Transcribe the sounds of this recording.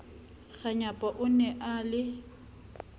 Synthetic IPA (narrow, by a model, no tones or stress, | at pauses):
ɣaɲapʼɔʔʊnɛʔalɪ